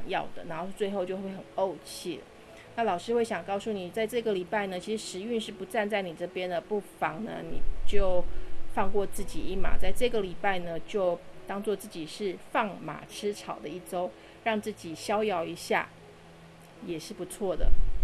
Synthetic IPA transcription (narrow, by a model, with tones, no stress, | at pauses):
ŋjɑ̰˥˩ʊd̪ə̰˨˩na˧˥xo˥˧ʊt͡swe˥˧ɪxo˥˧ʊt͡ɕjo˥˧ʊxwe˥˩ɪxə˨˩no˥˧ʊt͡ɕʰi˥˩lə̰˩ | na˥˩lɑ˨˩ʊʂɻ̩˥we˥˩ɪɕjɑ˨˩ŋkɑ˥˧ʊsu˥˩ni˨˩t͡sa˥˧ɪʈ͡ʂɤ˥˩ɡə˩li˨˩pa˥˩ɪnə˩t͡ɕʰi˧˥ʂɻ̩˧ʂɻ̩˧˥y˥˧nʂɻ̩˥˩pu˧˥t͡sa˥˧nt͡sa˥˩ɪni˨˩ʈ͡ʂɤ˥˩pjɛ˥nd̪ə˨pu˥˩fɑ˧˥ŋnə̰˧nḭ˨˩t͡ɕjo˥˧ʊfɑ˥˧ŋkwɔ˥˧t͡sɹ̩˥˩t͡ɕi˨˩i˥˩ma̰˨˩t͡sa˥˧ɪʈ͡ʂɤ˥˩ɡə˩li˨˩pa˥˩ɪnə˩t͡ɕjo˥˧ʊt̪ɑ˥ŋt͡swɔ˥˧t͡sɹ̩˥˩t͡ɕi˨˩ʂɻ̩˥˧fɑ˥˩ŋma̰˨˩ʈ͡ʂʰɻ̩˥ʈ͡ʂʰɑ˨˩ʊd̪ə˦i˥˩ʈ͡ʂo˥ʊ | ɻɑ˥˧ŋt͡sɹ̩˥˩t͡ɕi˨˩ɕjɑ˥ʊjɑ˥˩ʊi˧˥ɕja̰˥˩ | jɛ˨˩ʂɻ̩˥˩pu˧˥t͡sʰwɔ˥˩d̪ə̰˩